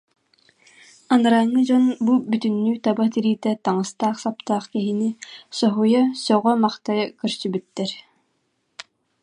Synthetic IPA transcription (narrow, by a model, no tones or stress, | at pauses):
anɯɾaːŋːɯd͡ʑɔnbubyt̪ynːyːt̪abat̪iɾiːt̪ɛt̪aŋɯst̪aːχsap̚t̪aːχkɛɦinisɔɦujasɔʁɔmaχt̪ajakɯɾsybyt̪ːɛɾ